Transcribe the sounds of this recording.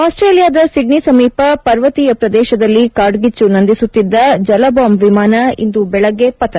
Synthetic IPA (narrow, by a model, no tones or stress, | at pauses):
aːsʈɾeːlijaːd̪ɐsiɖnisɐmiːpɐpɐɾʋɐt̪ijɐpɾɐd̪ɛːʃɐd̪ɐlːikaːɾɖɡit͡ʃːunɐnd̪isut̪ːid̪ːɐd͡ʒɐlɐbaːmbʋimaːnɐḭnd̪ubɛɭɐɡːepɐt̪ɐ